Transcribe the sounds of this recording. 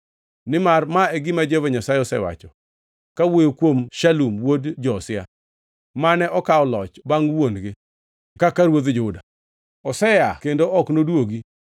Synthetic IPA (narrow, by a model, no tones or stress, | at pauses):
nɪmarmaeɡɪmad͡ʒevoɲasajeɔsɛwa̰t͡ʃɔ | kawojokwomʃalumwodd͡ʒɔsɪa̰ | manɛʔɔkaɔlɔt͡ʃbaŋwonɡɪ | kakaɾwod̪d͡ʒʊda | ɔsɛjakendoʔɔknodwoɡi